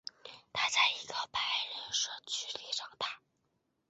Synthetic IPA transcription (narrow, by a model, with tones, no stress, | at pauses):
t̪ʰa˥t͡sa˥˩ɪi˧˥ɡə˧pa˧˥ɪɻə˧˥nʂɤ˥˩t͡ɕʰy˥˩li˥˧˩ʂɑ˥˩ŋt̪ʰa˥˩